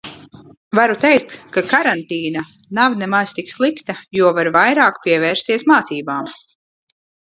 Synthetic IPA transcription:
vaɾut̪ɛjk̚t̪kːakaɾant̪iːna | navnɛmast̪ikslˠikt̪ajuɔvaɾvajɾaːkpʲiɛvɛːɾst̪iɛsmaːt̪siːbaːm

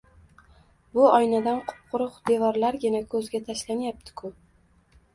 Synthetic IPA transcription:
bʊɒjnad̪anqʰʊ̥p̚qʰʊɾʊqd̪̥e̞vɒɾlaɾɡʲɪnakʰɵzɡʲat̪ʰaʃlanjap̚t̪ʰɪ̥kʰʊ

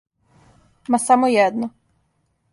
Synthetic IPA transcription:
masamojɛd̪nɔ

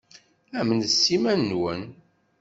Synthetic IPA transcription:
æmnəsːimænːwən

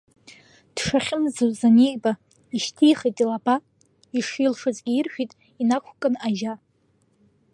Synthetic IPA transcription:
d̥ʂaχʲɪmzɨwzanejba | iʃtʰijχejtʼilaba | iʂilʂɨzirʃᶣitʼ | inakʷʰkʼɨnaʒa

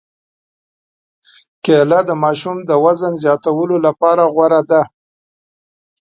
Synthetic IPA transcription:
kelad̪əmɑʃumd̪əwazənzjɑt̪awəlolapɑɾaɣwaɾad̪a

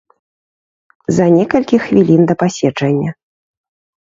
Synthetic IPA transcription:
zɐnʲɛkɐlʲkʲixvʲilʲind̪ɐpasʲɛt͡ʂɐnʲːɐ

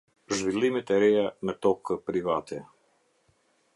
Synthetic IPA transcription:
ʒvilˠimɛt̪ɛɾɛjanɛt̪ɔkpɾivat̪ʰɛ

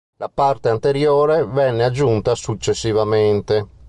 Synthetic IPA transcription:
lʔapart̪eant̪eɾjoːɾevɛnːead͡ʒːunt̪asut͡ʃːesːivament̪e

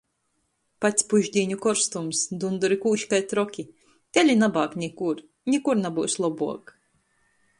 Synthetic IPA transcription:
pat̪sʲpuʒd̪ʲiːɲukɔɾst̪umsd̪und̪uɾikuːʃkajt̪ɾɔkʲi | t̪ʲelʲinabaːknʲikuɾ | nʲikuɾnabuːslˠɔbuɔk

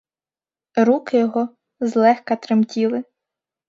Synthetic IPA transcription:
ɾukɪjɔɦɔ | zlˠɛxkɐt̪ɾɪmtʲilˠɪ

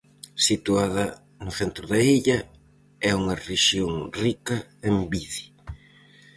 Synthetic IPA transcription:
sit̪uaðɐ | nʊθent̪ɾʊðɐiʎɐ | ɛuŋɐreʃjoŋrikɐembiði̥

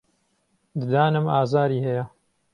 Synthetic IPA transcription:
d̪ɨd̪aːnɨmaːzaːɾiːhɛjɐ

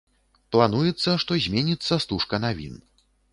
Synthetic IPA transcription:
plˠanujɛt̪sːɐʂt̪ɔzʲmʲenʲit̪sːɐst̪uʂkɐnavʲḭn

